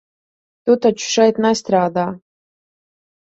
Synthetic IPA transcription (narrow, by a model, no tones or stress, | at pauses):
t̪ut̪at͡ʃu̥ʂajt̪nast̪ɾaːd̪a